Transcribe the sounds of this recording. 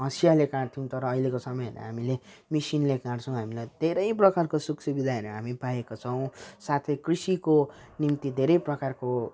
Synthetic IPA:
ɦʌsijalekãt̪ʰiũt̪ʌɾʌːjlekosʌmʌjʌ̰ɾʌ̰ɦamile | misinlekãɽt͡sʰʌw̃ɦamilajd̪ʱeɾʌjprʌkarkosuksubid̪ʱaɦeɾʌɦamipaekot͡sʰʌw̃sat̪ʰʌjkrisiko | nimt̪id̪ʱeɾʌjprʌkarko

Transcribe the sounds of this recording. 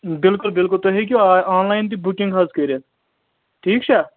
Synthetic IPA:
bɪlkʊlbɪlkʊlt̪oɦek̬ʲuaːnlaːjɪnt̪ibʊkɪ̃ŋɡɦɐzkəɾe | ʈʰiːkt͡ʃʰa

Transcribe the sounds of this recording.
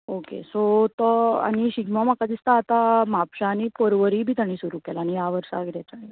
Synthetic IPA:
okḛsot̪ɔa̰ɽ̃iɕiɡmamakad̪ist̪aːt̪amapɕaːñipɔɾʋəɾibʱiːt̪aɽ̃iːsuɾukelaːñijaʋəɾsa̰ɡɾat͡saa

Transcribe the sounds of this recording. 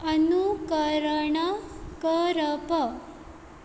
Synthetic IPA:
ənukəɾəɳəkəɾəpə

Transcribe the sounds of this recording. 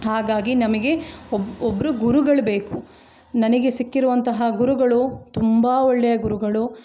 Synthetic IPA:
ɦaːɡaːɡinɐmɐɡe̞oobːɐɾuɡuɾuɡɐɭbe̞ːku | nɐnɐɡe̞sikːiɾuʋɐnt̪ɐɦɐɡuɾuɡɐɭut̪umbaːɔɭːɛjɐɡuɾuɡɐɭu

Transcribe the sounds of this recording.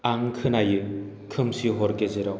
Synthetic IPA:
aŋkʰɯnajɯ | kʰɯmsiɦɔɾkezeɾɔ

